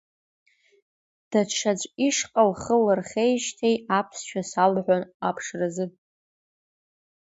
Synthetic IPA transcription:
d̥aʈ͡ʂʰat͡ʃʷʼiʂqʼalχəlɨrχʲejʃtʰejapʰsʃᶣasalħʷanapʰʂrazɨ

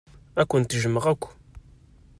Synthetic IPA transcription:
ækʷːənt̪ʒəmːəʁækʷː

